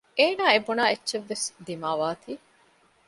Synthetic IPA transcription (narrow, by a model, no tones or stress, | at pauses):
eːnaːebunaːetːʃeʋːesd̪imaːʋaːt̪ʰiː